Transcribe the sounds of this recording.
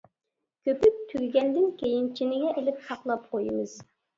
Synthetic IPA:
kʲʰøpyk̚ʲt̪ʰyɡʲɡʲɛnd̪ɪnkʲʰejint͡ʃʰinɪŋɛʔelɪpsɑqlˠɑp̚qʰojɨmɨz̥

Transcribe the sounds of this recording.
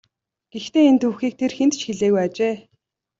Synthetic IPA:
ɡ̥ext̪eːent̪ʰuːxiːk̚t̪ʰerxent̪t͡ɕxeɮeːɣujat͡ɕeː

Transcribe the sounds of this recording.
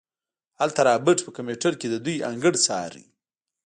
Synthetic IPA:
halt̪aɾɑbɪʈpəkameʈəɾked̪əd̪uja̰ŋɡəɽt͡sɑ̰ɾḭ

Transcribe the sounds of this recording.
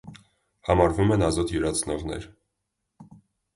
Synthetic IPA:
hɑmɑɾvumɛnɑzɔt̪jəɾɑt͡sʰnɔʁnɛ̰ɾ

